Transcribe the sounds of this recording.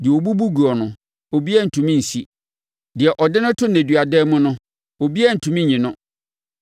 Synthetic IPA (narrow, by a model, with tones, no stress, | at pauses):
dɪ˨ɛ˨o˨bu˦bu˦ɡu˨ɔ˨nʊ̃˨ | o˨bi˦ɛ˦˨n̩˨tʰũ˨mĩ˦n̩˨si˦ | dɪ˨ɛ˨ʔɔ˨dɪ˦nʊ̃˦tʰʊ˦næ̃˨dɥa˨dɛː˦mʊ̃˦nʊ̃˦ | o˨bi˦ɛ˦n̩˨tʰũ˨mĩ˦ɲɪ̃˨nʊ̃˦